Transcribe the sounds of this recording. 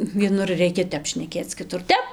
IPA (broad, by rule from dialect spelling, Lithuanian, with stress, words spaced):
ʋʲiɛˈnʊr ˈrʲɛɪkʲɛ ˈtʲɛp ʃʲnʲɛˈkʲeːt͡s kʲɪˈtʊr ˈtʲɛp